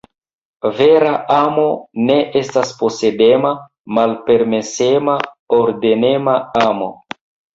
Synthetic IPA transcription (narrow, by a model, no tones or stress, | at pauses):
ve̞ɾaamo̞ne̞ʔestaspo̞se̞de̞ma | malpe̞ɾme̞se̞ma | oɾdene̞maamo̞